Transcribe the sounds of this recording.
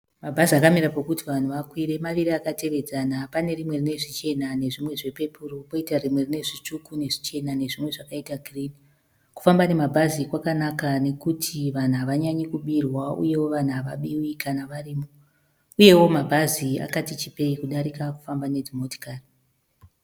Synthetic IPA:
mabʱaziakameɾapokutiʋan̤uʋakwiɾe̞maʋiɾiakate̞ʋe̞d͡zanapane̞rimwe̞rine̞ʐit͡ʃe̞nane̞ʐimwe̞ʐe̞pe̞puropo̞itarimwe̞rine̞ʐit͡ʂukune̞ʐit͡ʃe̞nane̞ʐimwe̞ʐakaitaɡʱrini | ku̥fambane̞mabʱazikwakanakane̞kutʰiʋan̤uɦaʋaɲaɲikuɓirwaṵje̞wo̞ʋan̤uɦaʋa̰ɓiwikʰanaʋariːmo | uje̞wo̞mabʱazia̰katit͡ʃipe̞ikuɗaɾikaku̥fambane̞dimoti̥kari

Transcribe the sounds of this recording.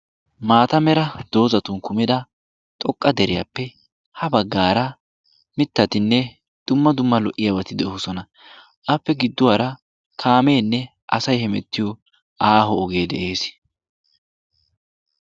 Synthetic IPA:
maːt̪ɐmɛɾɐd̪̥o̞ːzɐt̪ʊnkʊmɪd̪ɐ | t̪ʼɔkʼːɐd̪ɛɾɪjɐ̰pːɛ | hɐbɐɡːaːɾɐ | mɪt̪ːɐt̪ɪnːɛ | d̪̥ʊmːɐd̪ʊmːɐlɔʔːɪjɐbɐt̪ɪd̪ɛɔsɔnɐ | ʔɐpːɛɡɪd̪ːʊwaɾɐ | kʰaːme̞ːnːɛ | ʔɐsɐjhɛmɛt̪ːɪjɔ | ʔaːɦɔːɡe̞ːd̪ɛʔe̞ːs

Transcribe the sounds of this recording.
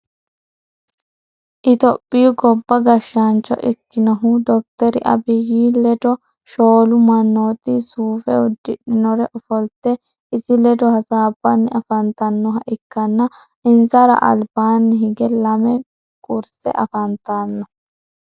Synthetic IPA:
ʔɪt̪ɔpʼːɪjʊɡɔbːɐɡɐʃːant͡ʃːɔ̰ʔɪkːɪnɐɦʊd̪ɔk̚t̪ɛɾɪʔɐ̰bɪjiːlɛd̪ɔ | ʃoːlʊmɐnːoːt̪ɪsuːfɛ̰ʊd̪ːɪᶑɪnɔɾɛʔɔfɔlt̪ɛ | ɪsɪlɛd̪ɔhɐsaːbːɐnːɪʔɐfɐnt̪ɐnːɔɦɐʔɪkːɐnːɐ | ɪnzɐɾɐ̰ʔɐ̰lbaːnːɪɦɪɡɛlɐmɛ | kʼʊɾsɛ̰ʔɐfɐnt̪anːɔ

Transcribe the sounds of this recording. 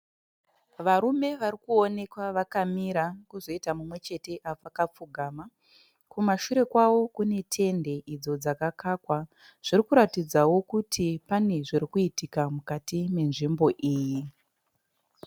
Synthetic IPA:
ʋaɾume̞ʋaɾikuone̞kwaʋakamiɾakuzo̞itamumwe̞t͡ʃe̞te̞ʔapakap͡fuɡʱaːma | kumaʃuɾe̞kwawo̞kune̞tʰe̞nde̞ʔid͡zo̞d͡zakakaːkwa | ʐ̥irikuɾatid͡zawo̞kutʰipane̞ʐiɾikuitikamukatime̞nʐimbo̞ʔiːji

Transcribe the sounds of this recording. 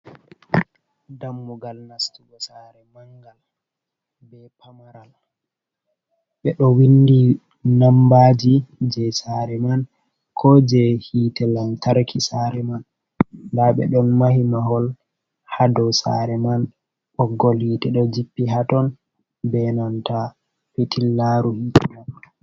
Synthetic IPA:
damːuɡalnastuɡɔsaɾɛmaŋɡal | bɛpʰamaɾal | ɓɛɗɔwindi | nambad͡ʒid͡ʒɛsaɾɛman | kʰɔd͡ʒɛhiːtɛlantaɾkʰisaɾɛmanː | daɓɛ̰ɗɔnmahimaɦɔl | hadɔwsa̰ɾɛman | ʔɔɡːɔlhiːtɛɗɔd͡ʒipːiɦatɔn | bɛnanta | pitilːaɾuhitna

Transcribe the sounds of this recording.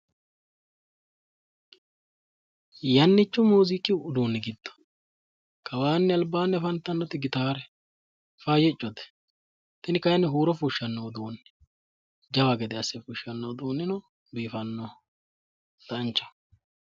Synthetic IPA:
jɐnːɪt͡ʃːʊmuːzɪkʼːɪʊd̪uːnːɛɡɪd̪ːɔ̥ | kʰɐwaːnːɛɐlbaːnːɛfɐnt̪ːɐnːɔt̪ɪɡɪt̪aːɾɛ | fajɛt͡ʃʼːɔd̪ɛ̥ | t̪ɛnɪkɐjɐnːɛɦuːɾɔfuʃːɐnːoːd̪uːnːɛ̥ | d͡ʒɐwɐɡɛd̪ɛɐsːɛfʊʃːɐnːod̪uːnːɪnɔ | biːfɐnːɔ | d̪̥ɐnt͡ʃːɐ̥

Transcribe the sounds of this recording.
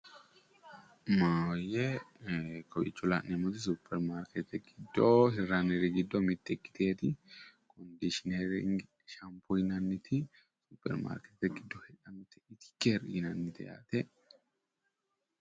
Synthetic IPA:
maːjɛ | kʰɔjɪ̰t͡ʃːʊla̰ːʔɛmʊt̪ɪs̬upʰːɛɾmaːɾkʰɛt̪ɛɡɪd̪ːohɪɾanɛɾɪɡɪd̪ːɔmɪt̪ːɛkːɪ̥t̪eːt̪ɪkʰɔnd̪iʃɪnɛɾɪ̰ŋɡ | ʃɐmpʰʊjɪnɐnːɪt̪ʰɪ | supːɛ̰ɾma̰ːɾkɛt̪ɛɡɪd̪ːɔhɛᶑɐmt̪ɪɪt̪ɪ̥kːɛɾjɪnɐnːɪt̪ɛ̰ja̰ːt̪ɛ

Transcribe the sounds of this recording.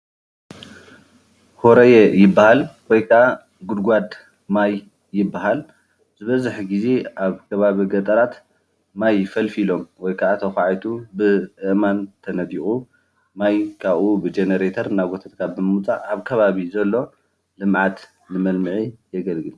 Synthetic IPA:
hoɾɐjɛjɪbːahalwɔjkʰaʔa | ɡud̪ɡʷad̪ | majː | ɪbːaɦal | zɨβɐzɨħɡize̞ʔaβkʰɐβaβiɡɐt̪ʼɐɾat̪ | majfɐlfilo̞mwɔjkʰaʔat̪ʰɐxʷaʕajt̪ʰubɨʔɨʔmant̪ʰɐnɐd̪ixʼu | majkʰaβʔubɨd͡ʒenɐɾet̪ʰɐɾnaɡot̪ʰat̪kʰabɨmɨmut͡sʼaʔːβkʰɐβaβizɐlːo̞ | lɨmʕat̪ | lɨmɐlmɨʕijɛɡɐlɡɨl

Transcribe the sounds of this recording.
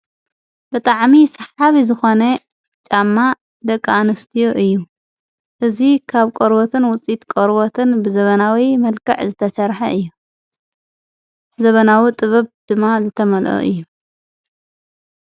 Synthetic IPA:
bɨt̪ʼaʕmisɐħaβizɨxo̞nɐ | t͡ʃʼamːa | d̪ɐkʼːanɐst̪ʰijoʔɨjːu | ʔɨzikʰaβkʼoɾbot̪ʰɨnwʊt͡sʼit̪kʼoɾbot̪ʰɨnbɨzɐβɐnawimɐlkʰɐʕzɨt̪ʰɐsɐɾħɐʔɨjːu | zɐβɐnawit̪ʼɨβɐβd̪̥ɨmːazɨt̪ʰɐmɐlʔo̰ʔɨ̰jːu

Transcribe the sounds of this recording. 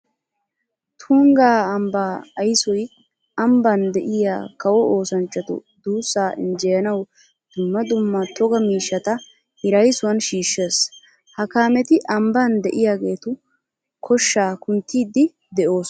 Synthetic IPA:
t̪ʰuːŋɡaːɐmbaːɐjsɔj | ɐmbɐnd̪ɛʔɪja̰ːkɐwɔoːsɐnt͡ʃːɐt̪ʊ̰d̪uːsːaːʔɪnd͡ʒɛjɐnɐw | d̪̥ʊmːɐd̪ʊmːɐt̪ɔɡɐmiːʃːɐt̪ɐ | hɪɾɐjsʊwɐnʃiːʃːeːs | hɐkaːmɛt̪ɪʔɐmbɐnd̪ɛʔɪjaːɡe̞ːt̪ʊ | kʰɔʃːaːkʊnt̪ːiːd̪ɪ | d̪ɛʔo̞ːs

